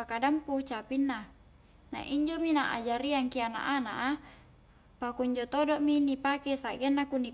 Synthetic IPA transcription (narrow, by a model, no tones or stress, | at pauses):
akadamput͡ʃapinːa | na̰ʔiɲd͡ʒominaʔa̰d͡ʒaɾiaŋkiana̰ʔana̰ʔa | pakuiɲd͡ʒot̪odoʔminipakesaɡenːakuni